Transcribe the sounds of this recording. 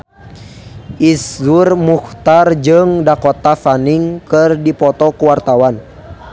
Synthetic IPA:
ʔiszurmuxt̪ard͡ʒɨŋdakɔt̪afaniŋkɨrdipɔt̪ɔkuwart̪awan

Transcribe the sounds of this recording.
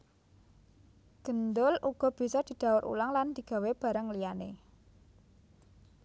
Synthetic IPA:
ɡ̥ə̤nd̪ʊlʔuɡ̥ɔ̤b̥i̤sɔd̪̥i̤d̪̥a̤wʊɾʔṵlaŋland̪̥i̤ɡ̥a̤web̥ä̤ɾəŋlijanḛ

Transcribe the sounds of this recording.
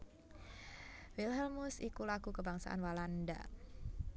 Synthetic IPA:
wilɦɛlmusikulaɡukəbaŋsa̰ʔa̰nwalanda̰

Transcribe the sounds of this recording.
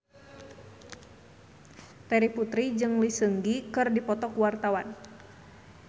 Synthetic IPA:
t̪ɛɾiput̪ɾid͡ʒɨŋlisəŋɡikɨrdipɔt̪ɔkuwart̪awan

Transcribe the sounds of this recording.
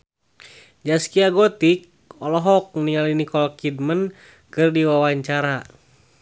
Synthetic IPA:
d͡ʒaskiaɡɔt̪ik̚ | ɔlɔɦɔk̚niŋalinikɔlkid̚mən | kɨrdiwawaɲt͡ʃaɾa

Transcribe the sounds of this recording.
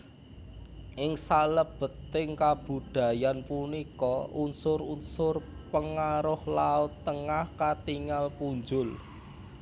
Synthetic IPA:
ʔɪŋsaləb̥ə̤t̪ːɪŋkab̥ṳd̪̥a̤janpunikɔʔunsʊɾunsʊrpəŋaɾʊhlaʊt̪ːəŋahkat̪iŋalpuɲd͡ʒʊl

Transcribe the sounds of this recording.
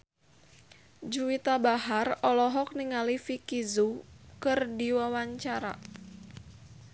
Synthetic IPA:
d͡ʒuwit̪abaɦarɔlɔɦɔk̚niŋalifikizukɨrdiwawaɲt͡ʃaɾa̰

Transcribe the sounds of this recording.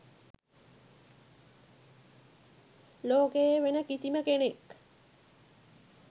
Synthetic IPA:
loːkejeʋenəkisiməkenek

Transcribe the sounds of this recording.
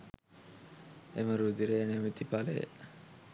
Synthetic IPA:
eməɾud̪iɾenemit̪ipalḛ

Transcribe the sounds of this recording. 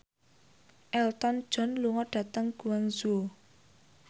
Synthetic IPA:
ʔɛlt̪ɔnd̥ʒ̥ɔ̤nluŋɔɖ̥ä̤t̪əŋɡ̥ṳwaŋzo

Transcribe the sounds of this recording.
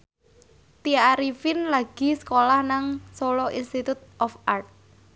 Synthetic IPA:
t̪iaɾifɪnlaɡ̥i̤sə̥kolahnaŋsolɔʔinst̪it̪ut̪̚ʔɔfart̪̚

